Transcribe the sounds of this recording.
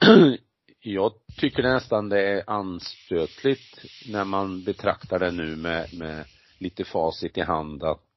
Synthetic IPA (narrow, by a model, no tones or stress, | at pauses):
jɑːɡt̪ʰʏkːəɖɳɛst̪and̪ɛæɾʔanspøːt̪ʰlɪt̪næɾmanbɛt̪ʰɾa̰kt̪aɖɛnʉ̟ːmɛmɛ | liːt̪əfɑːsɪt̪ːɪɦand̪ən